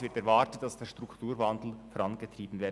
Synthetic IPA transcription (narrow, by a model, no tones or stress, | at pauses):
vɪɾtɛɾvɑtət̚d̥ɑsd̥eːʃtʁ̥ʊktʰuːɾvandl̩fɔɾɑnɡətʁ̥iːbn̩veː